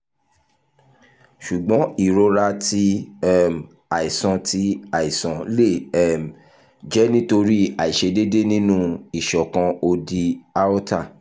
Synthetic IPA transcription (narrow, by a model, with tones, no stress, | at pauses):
ʃu˨ɡ͡bɔ̃˨˦i˦˨ɾo˧ɾa˧ti˦ɛ˦˨m˨ | a˨i˨sɔ̃˧˦ti˦a˨i˨sã˨˦le˦˨ɛ˦˨m˨ | d͡ʒɛ˦nĩ˦to˧ɾi˦a˨i˨ʃe˧de˦de˦˨nĩ˦nũ˦i˨ʃɔ˨kã˧o˧di˧a˦ɔ˦ta˦˨